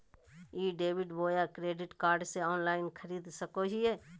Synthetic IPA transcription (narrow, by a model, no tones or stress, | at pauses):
iːɖeːʋɪɖboːjakɾeːɖɪʈkaːɾɖseɔːnlaːɪnkʰəɾiːd̪səkoɦiɛː